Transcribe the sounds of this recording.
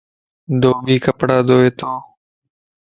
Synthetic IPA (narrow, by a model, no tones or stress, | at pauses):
d̪oːbiːkəpɽaːd̪oːeːt̪oː